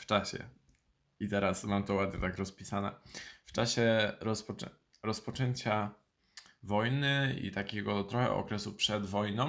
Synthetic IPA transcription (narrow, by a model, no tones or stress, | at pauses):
ft͡ʂaɕɛ̰ | it̪ɛɾasmamt̪ɔwad̪ɲɛt̪akɾɔspʲisanɛ̰ft͡ʂaɕɛɾɔspɔɛ | ɾɔspɔt͡ʂɛɲt͡ɕa | vɔjnɘḭt̪akʲɛɡɔt̪ɾɔxɛ̰ɔ̰kɾɛsupʂɛd̪vɔjnɔ̃